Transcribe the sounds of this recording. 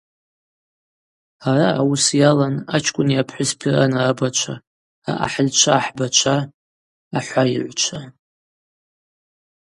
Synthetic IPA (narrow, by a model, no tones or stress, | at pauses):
araːwusjalanat͡ʃʰkʷʼʊniapʰħʷʊspʰiranaabat͡ʃʷʰa | a̰ʔa̰ħəlt͡ʃʷʰaːħbat͡ʃʷʰaː | ħʷaiʕʷt͡ʃʷʰa